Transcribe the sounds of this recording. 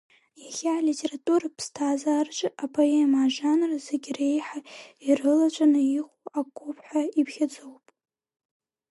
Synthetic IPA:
jaχʲaːlitʲʰʼe̞ratʼurapʰstʰaːzart͡ʃʷʼapʰoemaʒanrazeɡʲre̞jħairɨlat͡ʃʷʼanɨiχʷuakʷʰupʰħʷᶣaipʰχʲad͡zowpʼ

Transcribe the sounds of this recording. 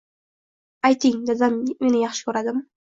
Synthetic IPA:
ajt̪ʰɪŋd̪azamːe̞nɪjɑχʃɪ̥kʲʰɵɾad̪ɪm

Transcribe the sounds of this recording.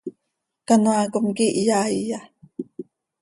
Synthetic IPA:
kanuakomkiʔjaija

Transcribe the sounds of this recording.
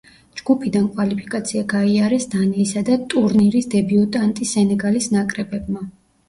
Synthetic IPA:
d͡ʒɡupʰid̪ankʼwalipʰi̥kʼat̪sʰiaɡaiaɾɛsd̪anɛisad̪at̪ʼuɾniɾisd̪ɛbiut̪ʼant̪ʼisɛnɛɡalisnakʼɾɛbɛb̚ma

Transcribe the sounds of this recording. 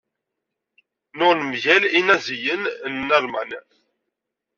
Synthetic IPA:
nʊʁnəmʝælinæzijənnːəɾmæn

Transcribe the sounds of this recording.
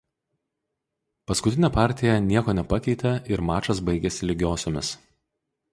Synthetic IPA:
pɐskʊt̪ʲɪnʲɛpɑˑɾʲt̪ʲɪjɛnʲiɛkoːnʲɛpɐkʲɛɪt̪ʲɛɪɾmɑːt͡ʃɐs̬bɐɪɡʲɛsʲɪlʲɪɡʲoːsʲoːmʲɪs

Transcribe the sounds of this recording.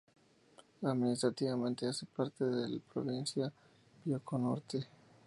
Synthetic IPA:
aðminist̪ɾat̪iβamẽ̞nt̪easepaɾt̪eðelapɾoβinsja | bjokonoɾt̪e

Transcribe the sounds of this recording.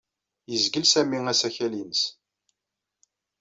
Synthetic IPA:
jəzɡəlsæmiŋæsæçælinəs

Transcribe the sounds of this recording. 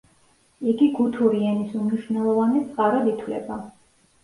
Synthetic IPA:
iɡiɡut̪ʰuɾiɛnisumniʃwvnɛlˠɔvanɛt̪sʼqʼaɾad̪it̪ʰwlɛ̰ba

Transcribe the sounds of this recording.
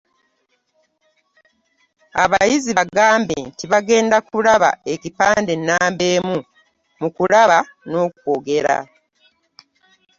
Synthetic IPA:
a̰βajiziβaɡaːmbḛntiβaɡe̞ːndakulaβa̰e̞cipaːnde̞nːaːmbe̞ːmu | mukulaβa | no̞ːkwoɡe̞ɾa̰

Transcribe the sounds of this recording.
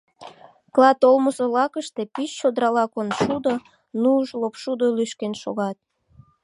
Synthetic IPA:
klɑt̪olməsolɑkəʃt̪e̽pyst͡ɕod̪ɾɑlɑkonʃud̪o | nuʒlopʃud̪olyʃkenʃo̰ɣɑt̪̚

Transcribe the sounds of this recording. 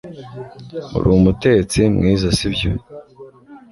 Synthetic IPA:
ṵɾuːmutet͡simŋiːzasibjo̰

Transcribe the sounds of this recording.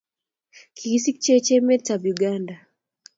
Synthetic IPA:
kʰiisik̚t͡ʃet͡ʃɛmɛtabjuɡanda

